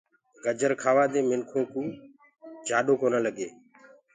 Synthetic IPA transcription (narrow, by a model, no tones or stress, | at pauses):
ɡəd͡ʒəɾkʰaːʋaːd̪eːmɪnkʰõːkũː | d͡ʒʱaːɗoːkoːnələɡeː